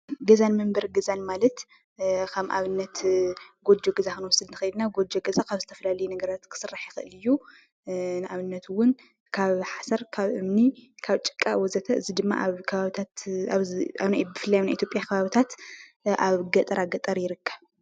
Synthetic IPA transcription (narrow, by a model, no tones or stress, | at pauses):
ɡɐzanmɨmbɐɾɡɐzanmalɐt̪ | kʰɐmʔa̰βɨnːɐt̪ɡo̞d͡ʒoɡɐzakɨnwɔsːɨd̪nɨxɐid̪naɡo̞d͡ʒoɡɐzakʰaβzɨt̪ʰɐ̥fɐlalɐjunɐɡɐɾat̪kʰɨ̥sɨraħjɪxɨʔɨlɨjːu | nɨʔaβɨnːɐt̪wʊn | kʰaβħasɐɾkʰaβʔɨmnikʰaβt͡ʃʼɨ̥kʼːaʔwɔzɐt̪ʰɐʔɨzid̪ɨmːa̰ʔβkʰɐβaβt̪ʰat̪aβaβnajbɨfɨlːajanajʔit̪ʰjo̞pʼjakʰɐβaβit̪ʰat̪ʔaβɡɐt̪ʼɐɾaɡɐt̪ʼɐɾjɪɾɨkʰːɐβ